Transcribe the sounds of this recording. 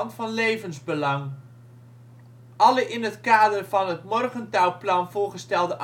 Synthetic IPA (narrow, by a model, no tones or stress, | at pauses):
ntfɑnlejvənzbəlɑŋ | ʔɑləʔɪnɦətkaːdərv̥ɑnɦətmɔrχəntawplɑnv̥ʊːɹχəstɛlˠdəʔ